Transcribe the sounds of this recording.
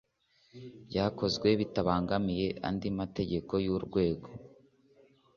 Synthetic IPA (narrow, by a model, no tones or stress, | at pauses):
bɟaːko̞zɡwe̞βitaβaːŋɡamije̞ʔa̰ndimate̞ɟe̞ko̞juɾɡwe̞ːɡo̞